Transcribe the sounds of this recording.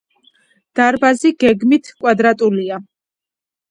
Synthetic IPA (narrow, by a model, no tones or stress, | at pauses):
d̪̥aɾbaziɡɛɡmit̪ʰkʼwad̪ɾat̪ʼulia